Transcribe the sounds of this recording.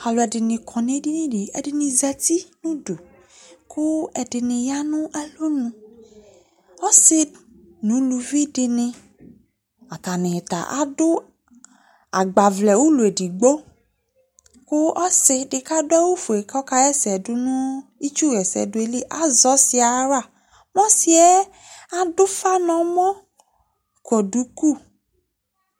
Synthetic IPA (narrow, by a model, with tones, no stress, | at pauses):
a˨lo˨ɛ˨ɖɪ˨nɪ̃˨kʰɔ˨nẽ˦ɖi˦nĩ˦ɖi˨ɛ˨ɖɪ˨nĩ˨zɛ˨t̪i˦nũ˦do˨ | kʊ˦ɛ˨ɖɪ˨nɪ̃˨ja˦nũ˦ʔɛ˦lo˦nũ˨ | ɔ˦sɪ˦ | nũ˨˦lu˨vi˦ɖɪ˨nɪ̃˨ | a˨t̪a˨nẽ˨t̪a̰˨ʔa̰˦ɖʊ˦ | a˨ɡ͡ba˨vlɛ˨wu˦lu˨e˨ɖi˨ɡ͡bo˦ | kʊ˦ʔɔ˦sɪ˨ɖɪ˨ka˦dʊ˦ɛ˦wu˦fu˨e˨kɔ˦ka˦jɛ˦sɛ˨dʊ˦nũ˦i˦t͡ʃu˦ɣɛ˨sɛ̰˨dʊ˦e˨li˦ʔa˨˦zɔ˨˦sɪ˦a˨ɾa˦˨ | mɔ̃˦si˦ɛ˦ | a˨dʊ˦fa˦nɔ̃˨mɔ̃˦˨ | kɔ˨ɖu˨ku˦˨